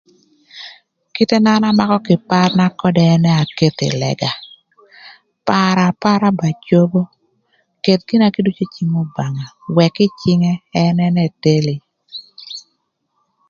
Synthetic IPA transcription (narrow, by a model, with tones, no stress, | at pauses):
kɪ˦te˦na˦na˦ma˦kɔ˦kɪ˨pa˦rna˦kɔ˦dɛː˦nɛ˦a˨ke˦t̪ɪ̰˨lɛ̰˨ɡa˨ | pa˨ɾa˨pa˦ɾa˦ba˨t͡ʃo˦bo˦ | ke˨t̪̚ki˦na˦ki˦du˦t͡ʃo˦t͡ʃi˦ŋo˦ba˨ŋa˨wɛ˨kɪ˦t͡ʃɪ˦ŋɛː˦nɛ˦nɛ˦te˦li˨